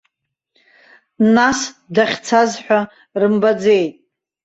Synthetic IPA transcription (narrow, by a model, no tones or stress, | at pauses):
nasdaχʲt͡sʰazħʷᶣa | rɨmbad͡ze̞jtʼ